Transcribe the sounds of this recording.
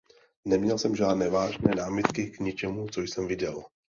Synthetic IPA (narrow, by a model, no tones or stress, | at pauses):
nɛmɲɛlsɛmʒaːdnɛːvaːʒnɛːnaːmɪt̪kɪkɲɪt͡ʃɛmut͡sojsɛmvɪɟɛl